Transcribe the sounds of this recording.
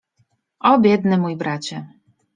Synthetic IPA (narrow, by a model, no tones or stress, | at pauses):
ʔɔbʲjɛd̪nɘmujbɾat͡ɕɛ